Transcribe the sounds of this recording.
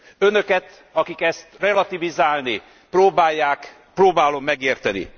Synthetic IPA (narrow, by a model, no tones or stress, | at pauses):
ønø̞kɛt̪ | ɒkikɛst̪rɛlɒt̪ivizaːlni | proːbaːjːaːk | proːbaːlo̞mːɛɡeːrt̪ɛnḭ